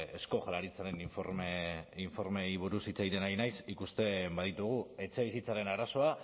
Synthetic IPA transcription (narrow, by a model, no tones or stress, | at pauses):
e̞sko̞xalaɾit͡saɾe̞niɱfoɾmeiɱfo̞ɾme̞jβ̞uɾusit͡sajɾe̞najnajsikust̪e̞mbaðit̪uɣ̞ue̞t͡se̞β̞isit͡saɾe̞naɾaso̞a